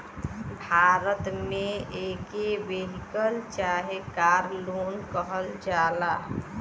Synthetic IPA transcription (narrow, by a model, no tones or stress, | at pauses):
bʱaːɾət̪mẽeːkeʋeɦikəlt͡ʃaːɦekaːɾloːnkəɦəld͡ʒaːlaː